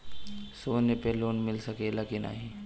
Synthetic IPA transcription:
soːnepeloːnmɪlsɐkelakina̰ɦĩ

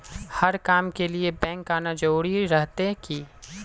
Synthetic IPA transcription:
hɐɾkaːmkeliebɛ̃ːŋkaːnad͡ʒuːɽiɾɐɦt̪ekiː

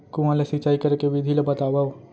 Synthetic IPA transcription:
kũãlesit͡ʃaːikɐɾkeʋɪd̪ʱilebɐt̪aːʋao

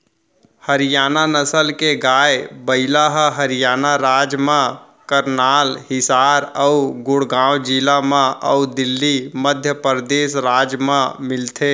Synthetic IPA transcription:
həɾijaːnanəsəlkeɡaːebəɪlaɦəɦəɾijaːnaɾaːd͡ʒmẽ | kəɾnaːlhɪsaːɾəɡʊɽɡãːwd͡ʒilamãʔəud̪ɪlːiməd̪ʱjəpəɾd̪eːsɾaːd͡ʒmemɪlt̪ʰe

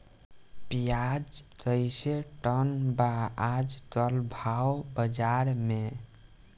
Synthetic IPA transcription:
pijad͡ʒt̪əɪseʈənbaad͡ʒkəlbʱawbəd͡ʒaɾme

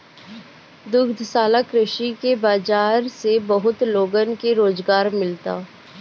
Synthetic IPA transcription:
d̪ʊɡd̪ʱsaːlakɾɪʃikebaːd͡ʒaːɾsebəɦʊt̪loːɡənkeɾoːzɡaːɾmɪlt̪a̰ː

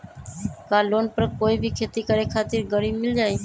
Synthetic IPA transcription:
kalonpəɾkoibʱikʰet̪ikəɾekʰat̪iɾɡəɾibmild͡ʒaːj

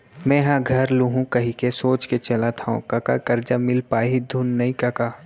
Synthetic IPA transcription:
mɛ̃ːɦãɡʱɐɾluɦũkɐɦikesoːt͡ʃket͡ʃɐlat̪ʰaṵ̃kɐka̰kɐɾd͡ʒamɪlpaːɦid̪ʱunːɐĩkɐkaː

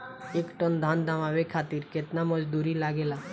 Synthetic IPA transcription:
ekʈənd̪ʱand̪ʱaʋaʋekʰaːt̪iɾket̪naməd͡ʒd̪uːɾilaːɡela

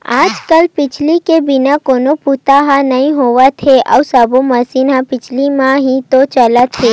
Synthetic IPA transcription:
ad͡ʒkəlpɪt͡ʃʰlikebinakonoput̪aɦãnəĩɦoʋat̪ʰeʔa̰usaboməsinɦãpit͡ʃʰlimãɦĩt̪ot͡ʃəlat̪ʰe

